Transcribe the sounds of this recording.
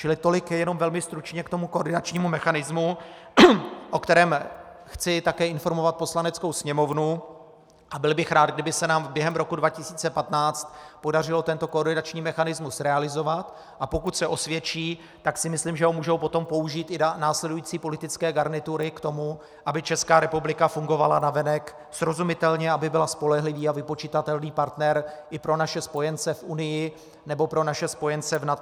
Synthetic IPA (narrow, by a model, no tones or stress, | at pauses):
t͡ʃɪlɪt̪o̞lɪkjɛjɛno̞mvɛlmɪst̪ɾut͡ʃɲɛkt̪o̞muko̞rdɪnat͡ʃɲiːmumɛxanɪzmu | ʔo̞kt̪ɛɾɛːm | xt͡sɪt̪akɛːɪnfo̞ɾmovat̪̚po̞slanɛt͡sko̞wsɲɛmo̞vnu | ʔabɪlbɪxɾaːd̪ɡdɪbɪsɛnaːmbjɛɦɛmɾo̞kudvacɪsiːt͡sɛpat̪naːt͡st̪po̞dar̝ɪlo̞t̪ɛnt̪o̞koːɾdɪnat͡ʃɲiːmɛxanɪzmusɾɛalɪzo̞vat̪ | ʔapo̞kut̪sɛʔo̞svjɛt͡ʃiː | t̪aksɪmɪslimʒɛɦomuːʒowpo̞t̪o̞mpo̞uʒiːt̪ʔɪanaːslɛdujiːt͡siːpo̞lɪt̪ɪt͡skɛːɡaɾnɪt̪uɾɪkt̪o̞mu | ʔabɪt͡ʃɛskaːɾɛpublɪkafuŋɡo̞valanavɛnɛk | sɾo̞zumɪt̪ɛlɲɛabɪbɪlaspo̞lɛɦlɪviːavɪpo̞t͡ʃit̪at̪ɛlniːpaɾt̪nɛɾʔɪpɾo̞naʃɛspo̞jɛnt͡sɛfʔunɪjɪ | nɛbo̞pɾo̞naʃɛspo̞jɛnt͡sɛvnat̪